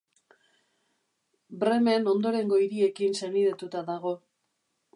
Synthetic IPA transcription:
bɾe̞me̞no̞nd̪o̞ɾe̞ŋɡo̞iɾie̞kinse̞niðet̪ut̪aðaɣ̞o̞

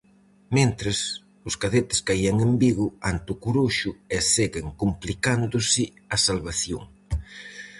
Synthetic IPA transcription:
ment̪ɾes | ʊskaðet̪ɪ̥skajaŋembiɣʊant̪ʊkuɾuʃʊeseɣɪŋkumplikand̪ʊsɪɐsalβaθjo̰ŋ

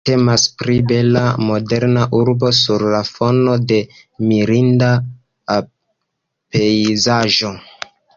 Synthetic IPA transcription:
te̞maspɾibe̞la̰mo̞de̞ɾnaʔuɾbo̞suɾlafo̞no̞de̞ | miɾinda | pe̞jzaʒo̞

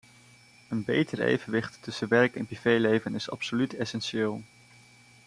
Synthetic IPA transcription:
ənbḛjtəɹḛjvənʋɪχtːɵsəʋɛɹkɛnprivejlejvənɪsɑ̰psolytɛsɛnʃɪːlˠ

